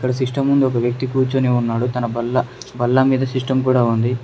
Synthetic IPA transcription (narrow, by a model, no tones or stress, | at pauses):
kːɐɽɐsiʂʈɐmːund̪uɔkɐʋjɐk̚t̪ikuːɾt͡ʃuːniunːaːɽut̪ɐnɐbɐlːɐbɐlːɐmiːd̪ɐsiʂʈɐmkuːɽaːund̪i